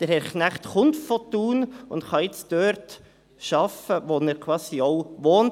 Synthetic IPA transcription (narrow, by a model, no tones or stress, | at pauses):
d̥əɾhɛɾknæχt̪χʊntfot̪uːnʊndχɑjɪt͡sd̥øːɾt | ʃɑfəʋonɛɾkʰwɑːsioʊʋoːn